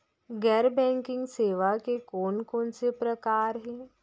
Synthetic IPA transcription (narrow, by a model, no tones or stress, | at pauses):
ɡɛːɾbɛ̃ːŋkɪ̃ŋɡseːʋakekɔːnkoːnsepɾəkaːɾɦɛː